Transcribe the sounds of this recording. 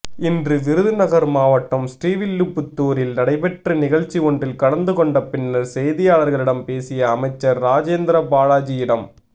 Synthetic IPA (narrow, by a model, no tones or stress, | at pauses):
ɪndrɯʋɪɾɯðɯnɐɣɐɾmaːʋɐʈːɐmsʈiːʋɪlːɯpːɯt̪ːoːɾɪlnɐɽɐɪpɛʈrɯnɪɣɐɻt͡ʃːiɔɳdrɪlkɐɽɐnd̪ɯkɔɳɖɐpːɪnːɐɾsɛjðɪjaːɭɐɾɣɐɭɪɽɐmpeːsɪjɐːmɐɪt͡ʃːɐɾːaːd͡ʒeːnd̪ɾɐbaːɻaːd͡ʒɪjɪɽɐm